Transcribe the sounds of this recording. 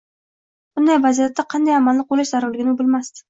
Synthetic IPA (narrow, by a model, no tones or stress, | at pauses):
b̥ʊnd̪ajvazijat̪ːaqʰɑnd̪ajamanlɪq̚bolɪʃzaɾʊɾlɪɡʲɪnɪbɪlmast̪ɪ̥